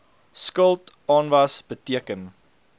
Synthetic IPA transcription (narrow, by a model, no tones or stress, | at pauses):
skəlˠtɑːnvɐsb̥ətiəkən